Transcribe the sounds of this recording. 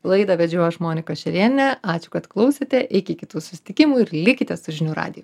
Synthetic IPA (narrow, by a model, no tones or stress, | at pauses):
lˠɐɪd̪ɐʋʲɛd͡ʒʲuɔjʃmoːnʲɪkoːʃʲɛɾʲiɛnʲɛɑːt͡ʃʲʊ̥kɐt̪klˠɒʊsʲet̪ʲɛʔɪkʲɪkʲɪt̪uːsʊ̥sʲɪ̥t̪ʲɪkʲɪmuɪɾlʲɪkʲɪt̪ʲɛssʊʒʲɪnʲuːɾɑ̰ːd̪ʲɪju